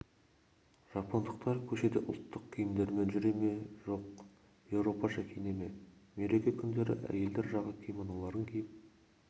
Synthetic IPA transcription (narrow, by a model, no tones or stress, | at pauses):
ʒ̥ɑpond̪əq̚t̪ɑɾkʲʰɵʃe̞d̪eʔʊ̰lˠt̪ʰːəqkʲʰijɪmd̪e̞ɾme̞nʒʏɾe̞me̞ʒo̞q̚ | je̞wɾo̞pɑʃækʲʰeneme̞me̞ɾe̞kʲekʲʰʏnd̪e̞ɾɪ̰ʔæ̰je̞ld̪e̞ɾʒɑʁlˠəkʲʰejmɑnɑlˠɑɾəŋkʲʰejɪp̚